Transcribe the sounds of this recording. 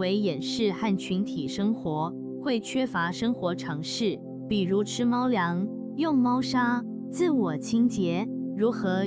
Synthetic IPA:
we˧˥ɪjɛ˨˩nʂɻ̩˥˧xa˥˩nt͡ɕʰy˧˥nt̪ʰi˨˩ʂɤ˥ŋxwɔ˧˥ | xwe˥˩ɪt͡ɕʰɥɛ˥fa˧˥ʂɤ˥ŋxwɔ˧˥ʈ͡ʂʰɑ˧˥ŋʂɻ̩˥˩ | pi˨˩ɻu˧˥ʈ͡ʂʰɻ̩˥mɑ˥ʊljɑ˧˥ŋ | jʊ˥˩ŋmɑ˥ʊʂa˥ | t͡sɹ̩˥˩wɔ˨˩t͡ɕʰi˥ŋt͡ɕjɛ˧˥ɻu˧˥xɤ˧˥

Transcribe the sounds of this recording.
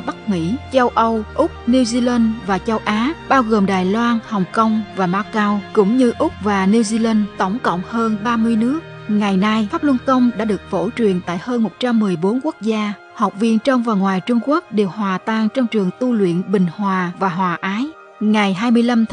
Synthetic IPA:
ɓa˦˥k̚mḭ˧˥t͡ɕə˧wʔə˧wʔʊ˦˥k͡p̚ni˧wzi˧la˧nvaː˨˩t͡ɕə˧wʔaː˨˦ɓaː˧wɣo˨˩mɗaː˨˩jlwaː˧nhə˨˩wŋ͡mkə˧wŋ͡mvaː˨˩maː˧wkaː˧wkʊ̰˧˥ŋ͡mɲɨ˧ʔʊ˦˥k͡p̚vaː˨˩ni˧wzi˧la˧nt̪ə˧˩wŋ͡mkə̰˧˨wŋ͡mhəː˧nɓaː˧mɨ˧əjnɨ˦˥ək | ŋa˨˩jna˧jfaː˦˥p̚lwə˧nkə˧wŋ͡mɗa̰ː˧˥ɗɨ˨˩ək̚fo̰˧˩t͡ɕwi˨˩ənt̪a̰ː˧˨jhəː˧nmo˨˩t̚t͡ɕa˧mːɨ˨˩əjɓo˨˦nku˦˥ək̚zaː˧ | ha˨˩wk͡p̚vḭ˧ənt͡ɕɔ˧wŋ͡mvaː˨˩ŋwaː˨˩jt͡ɕʊ˧ŋ͡mku˦˥ək̚ɗe˨˩whwaː˨˩t̪aː˧ŋt͡ɕɔ˧wŋ͡mt͡ɕɨ˨˩əŋt̪u˧lwḭ˧˨ənɓï˨˩ŋ̟hwaː˨˩vaː˨˩ɦwaː˨˩ʔaː˨˦j | ŋa˨˩jɦaː˧jmɨ˧əjla˧m

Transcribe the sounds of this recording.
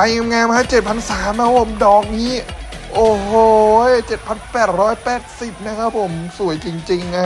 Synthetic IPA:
a˧jŋa˧mŋɛː˧mkʰa˦˥t͡ɕe˨˩t̪̚pʰa˧nsaː˩˦mna˦˥pʰo˨˩˦mdɔː˨˩k̚niː˦˥ | ʔoː˧˩hoː˨˧jt͡ɕe˨˩t̪̚pʰa˧npɛː˨˩t̪̚ɾɔː˦˥jpɛː˨˩t̪̚si˨˩p̚na˦˥kʰa˦˥pʰo˩˦msu˨˩˦jt͡ɕi˧ŋt͡ɕi˧ŋna˦˥

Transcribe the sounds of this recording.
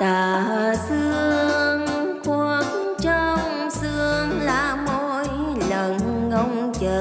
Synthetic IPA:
t̪aː˨˩˧sɨ˧əəŋ | ku˧˩ək̚ | t͡ɕɔ˧ŋ͡m | sɨ˧əŋlaː˨˧˩mo˧˥j | lə˨˩n | ŋə˧wŋ͡m | t͡ɕəː˨˩

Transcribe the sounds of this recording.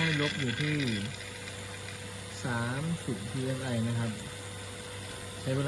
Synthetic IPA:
ɾo˦˥p̚juː˨˩t̪ʰiː˥˩ | saː˩˦msi˨˩p̚pʰiː˧ʔe˧˥sʔa˧jma˦˥kʰa˦˥p̚ | t͡ɕʰa˦˥jweː˧

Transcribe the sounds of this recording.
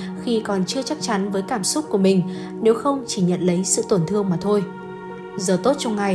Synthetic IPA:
xi˧kɔ˨˩nt͡ɕɨ˧ət͡ɕa˦˥k̚t͡ɕa˨˦nvəː˨˦jkaː˧˩msʊ˦˥k͡p̚ku˧˩əmï˨˩ŋ̟ | ne˨˦wxə˧wŋ͡mt͡ɕi˧˩ɲə̰˧˨nlə˨˦jsɨ̰˧˨t̪wə˧˩nt̪ʰɨ˧əŋmaː˨˩t̪ʰo˧j | zəː˨˩t̪o˦˥t̚t͡ɕɔ˧wŋ͡mŋa˨˩j

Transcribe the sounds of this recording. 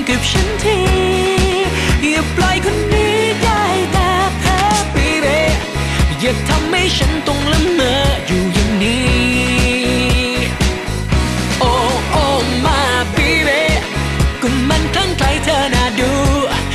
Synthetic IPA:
ŋki˨˩p̚ɕə˧˥nt̪ʰi˧ | bi˨˧˩əp̚lɔ˧˥jkʰu˧˥nːiː˦˥da˥˧˩jt̪aː˧p̪ʰaː˧˥bi˨˦be˧˥ | jɯ˨˧˩k̚t̪ʰa˧mha˥˩jt͡ɕʰa˨˦˥nt̪o˧ŋlɯ˧˥mməː˧˦juː˨˩jɯ˨˧˩ŋniː˧˦˥ | ʔo˧ʔo˧maː˧˥biː˧˥be˧˥ | ku˨˩mːa˧nŋkʰa˧˩ŋkla˧˥jt̪ʰaː˧˩naː˨˧˩duː˧˦

